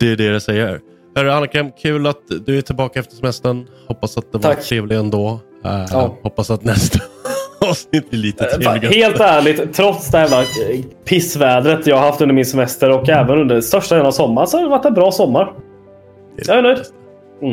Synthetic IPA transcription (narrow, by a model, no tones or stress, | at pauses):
d̪̥ɛɖɛɾɛsɛjːə̰ɾ | hœɾəanːakʰɾɛmkʰʉ̟ːlat̪d̪ɵɛʈʰɪlbɑːkaɛft̪əʂɛmɛst̪əɳhɔpːasat̪̚d̪ɛvʈʰɾeːvlɪɡɛnd̪oː | ɑːhɔpːasat̪nɛst̪ʰaɑːvsnɪt̪̚ːblɪliːt̪əeːlɪɡheːlt̪æːɭɪɡt̪ʰːɾɔt̪sd̪ɛhæːvlapʰɪsvɛːd̪ɾət̪jɑːɡaɾɦaft̪ɵnəɾmɪnsɛmɛst̪əɾɔkɛːvənɵnd̪əst̪œʂʈad̪ɛnnavsɔmːaɳsɔhad̪ɪvaʈːɛnbɾɑːsɔmːaɾ | jɑːaɛnœjd̪